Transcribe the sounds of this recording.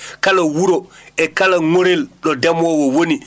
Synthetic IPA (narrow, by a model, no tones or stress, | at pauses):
kalawuɾɔɛkalaŋoɾelɗɔdɛmɔwɔwoni